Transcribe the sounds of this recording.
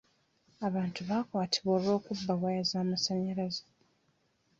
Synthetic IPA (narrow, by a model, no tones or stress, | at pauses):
aβaːntuβaːkwaːtʰiβoːlwo̞ːkubːaβwajazaːmasaɲaɾaze̥